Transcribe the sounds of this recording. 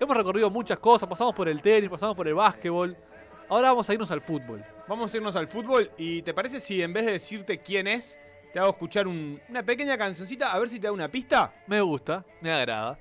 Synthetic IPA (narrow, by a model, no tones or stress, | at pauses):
emosreko̞riðo̞mũt͡ʃasko̞saspasamospo̞ɾe̞lt̪enispasamo̞spo̞ɾe̞lβasket̪̚βo̞l | aoɾaβamo̞saiɾno̞salfut̪̚βo̞̰lbamosaiɾno̞s̬alfut̪̚βo̞lit̪epaɾes̬e̞siembe̞ðe̞ðesiɾt̪e̞kje̞ne̞s | t̪eaɣoehkut͡ʃaɾununap̬eke̞ɲakansjo̞ns̬it̪aːβeɾs̬it̪e̞ðaunapist̪ame̞ɣust̪a | meaɣɾa̰ða